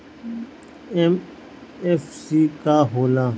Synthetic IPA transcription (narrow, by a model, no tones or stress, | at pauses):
em | efsiːkaɦoːlãː